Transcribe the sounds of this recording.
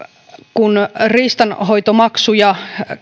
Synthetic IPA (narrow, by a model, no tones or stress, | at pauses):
kunriːst̪ɑnɦo̞jt̪omɑksujɑ